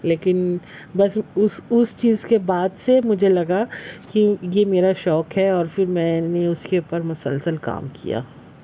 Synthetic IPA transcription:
leːkɪn | bɐsʊsʊst͡ʃiːzkebaːd̪semʊd͡ʒʱelɐɡakijemeːɾaʃɔːkɦɛɔːɾfɪɾmɛ̃ːneʊskeuːpəɾmʊsə̰lsəlka̰ːmkḭja̰ː

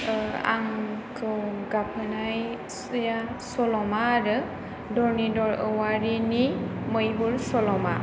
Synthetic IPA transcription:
a̰ŋkʰɯwɡapʰɯnaj | sjasɔlɔmaɾɯ | dɔɹnidɔɹəwaɹiniməjɦuɹsɔlɔma

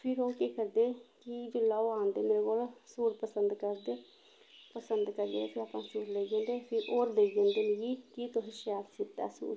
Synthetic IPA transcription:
pʰɪɾoːkeːkəɾd̪eːkɪd͡ʒʊlːaːoːãːnd̪eːmeːɾeːkoːlsuːɾpəsənd̪kəɾd̪eː | pəsənd̪kəɾd͡ʒẽːepʰɪɾaːpãːsuːɾleːd͡ʒẽːnd̪eːpʰɪɾoːɾd̪eːid͡ʒẽːnd̪eːnəjiːkit̪oɦiʃaːt̪sɪt̪ːɛ̰ːsṵːɾ

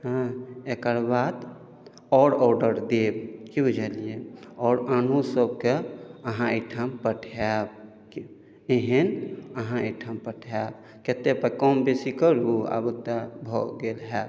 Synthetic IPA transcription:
ɦãekəɾbad̪ | ɔɾɔɖəɾd̪ebkibud͡ʒəlijeɔːɾanusəbkeəɦãeʈʰəmpəʈʰab̚ | ki | eɦenəɦãeʈʰəmpəʈʰab | ket̪epəkɔmbesikəɾua̰but̪abʱɔ̰ɡelɦɛ

